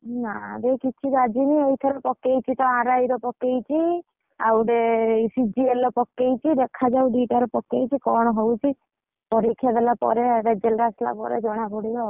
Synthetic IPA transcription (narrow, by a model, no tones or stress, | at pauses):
naɾekit͡ʃʰiɾad͡ʒiniejt̪ʰɔɾɔpɔkejt͡ʃʰit̪ɔãɾajɾɔpɔkejt͡ʃʰi | awɾesid͡ʒielɔpɔkːejt͡ʃʰid̪ekʰad͡ʒawɖiʈaɾɔpɔkːejt͡ʃʰikɔɽ̃ɔɦowt͡ʃʰi | pɔɾikʰːjab̪elapɔ̰ɾeɾed͡ʒelɾasla̰pɔ̰ɾḛd͡ʒɔɽ̃abʱoɽiɾɔ